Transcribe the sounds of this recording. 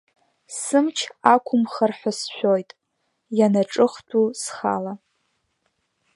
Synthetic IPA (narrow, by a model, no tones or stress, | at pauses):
sɨmt͡ʃʰakʷʰʊmχarħʷᶣasʃᶣojtʼ | janaʈ͡ʂʼɨχtʰusχa̰la